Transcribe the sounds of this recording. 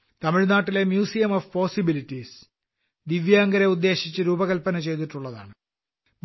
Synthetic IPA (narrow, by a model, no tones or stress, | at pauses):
t̪ɐmiɻnaːʈːile̞mjuːsijɐmofpo̞ːsibilitːis | d̪iʋjaːŋɡɐɾeud̪ːe̞ːɕit͡ɕːɨɾuːbɐɣɐlpɐnɐt͡ɕe̞jt̪̬iʈːuɭːɐða̰ːɳɨ | b